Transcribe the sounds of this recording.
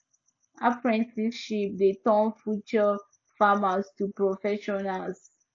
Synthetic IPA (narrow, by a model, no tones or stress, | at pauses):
apɹɛ̃ntʰiʃip̚detɔ̃nfjut͡ʃɔ | famastupɹɔfɛʃɔnals